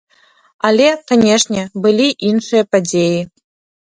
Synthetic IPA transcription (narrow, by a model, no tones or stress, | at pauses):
alʲɛkanʲɛʂnʲɛbɨlʲiʔinʂɨjɐpad͡zʲeji